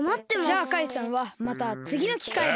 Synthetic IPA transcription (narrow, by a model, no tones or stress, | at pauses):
mat̪ːe̞makaisãɰ̃βamat̪at͡sɨɡʲino̞kʲi̥kai